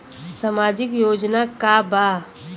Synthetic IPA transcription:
samaːd͡ʒɪkjoːd͡ʒnakabaː

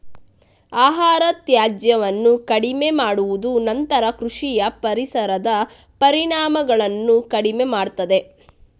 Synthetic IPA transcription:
aːɦaːɾɐt̪jaːd͡ʒjɐʋɐnːukɐɽimemaːɽuʋud̪unɐnt̪ɐɾɐkɾuʂijɐpɐɾisɐɾɐd̪ɐ | pɐɾiɳaːmɐɡɐɭɐnːukɐɽime̞maːɽt̪ɐd̪e̞

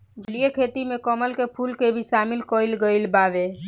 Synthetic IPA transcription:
d͡ʒliekʰeːt̪imẽkɔməlkepʰuːlkebʱisaːmɪlkoːɪlɡəɪlbaːʋe

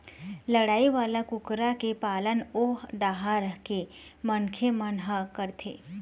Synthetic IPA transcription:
ləɽaːiʋaːlakʊkɾakepaːlənoɖaːɦaɾəɦke | mənkʰemənɦəkəɾt̪ʰḛː

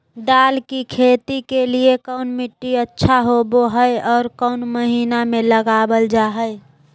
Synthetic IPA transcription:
d̪aːlkikʰeːt̪ikeliekəʊnmɪʈːiətːʃʰaɦoboɦəeɔːɾkəʊnməɦiːnamẽləɡaːbəld͡ʒaːɦəɪ

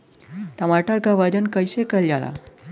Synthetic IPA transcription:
ʈəmaʈəɾkaʋad͡ʑənkəjɕekəljala̰

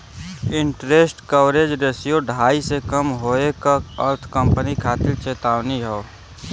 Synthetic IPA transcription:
ɪ̃ɳʈɾeːsʈkəʋɾed͡ʒɾeːsijoɖʱaːisekəmɦoekaəɾt̪ʰkəmpənikʰaːt̪ɪɾt͡ʃeːt̪aːʋniɦɛo

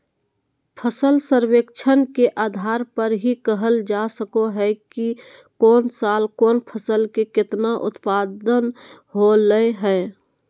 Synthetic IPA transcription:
pʰəsəlsəɾwekt͡ʃʰənkeʔaːd̪ʱaːɾpəɾɦikəɦəld͡ʒasəkoɦɛkikɔːnsaːlkoːnpʰəsəlkekɪt̪naʔʊt̪paːd̪ən | ɦoləeɦɛː

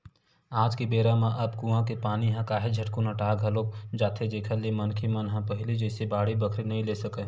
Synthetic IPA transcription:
aːd͡ʒkibeːɾãmãʔɐbkũːãkepaːniɦãkaːɦed͡ʒʱɐʈkonãʈaːɡʱɦɐloːkd͡ʒaːt̪ʰed̪eːkʰəlemɐnkʰimɐnɦãpəɦɪlid͡ʒɛːsebaːɽibəkʰɾinɐɦĩleːsɐke

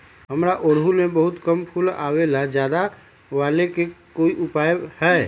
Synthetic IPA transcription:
ɦəmɾaʔoːɽɦulmẽbəɦʊt̪kəmkʰʊla̰ːwelad͡ʒjaːd̪a | ʋaːlekekoːiʔʊpaːjhɛː

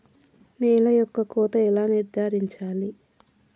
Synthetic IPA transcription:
nɛːlɐjɔkːɐkɔːt̪ɐɛlaːniɾd̪ʱaːɾiɲt͡ʃaːli

